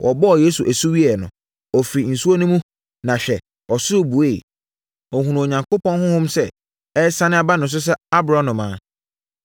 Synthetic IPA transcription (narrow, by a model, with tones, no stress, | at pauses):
wʔɔ̰˨bɔ˦˨je˦su˨ʔæ˨su˦wi˦ɛ˨nʊ̰̃˨ | ɔ˨fɾi˨n̩˨su˦o˦nʊ̃˦mũ˦ | nã˨ɕᶣɛ˨ | ɔ˨sʊ˦˨bu˨e˦˨ | ɔ˨ɦũ˨nũ˨o˨ɲã˨ŋko˦pɔ̃˦nhʊ̃˦hʊ̃˦msɛ˦ | ɛ˦sã˦nɪ̃˦a˦ba˦nʊ̃˨ns̬ʊ˦s̬ɛ˦a˦bɾã˦nʊ̃˨mãː˨˦